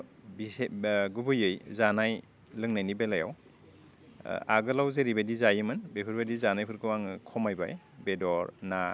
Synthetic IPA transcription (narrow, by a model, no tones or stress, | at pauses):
biɡubɯjɯjzanaj | lɯŋnajnibelaja̰w | a̰ɡɯlawzeɾibedizajɯmɯnbepʰɯɾbadizanajpʰɯɾkɯwaŋkʰɔmajba̰j | bedɔɾna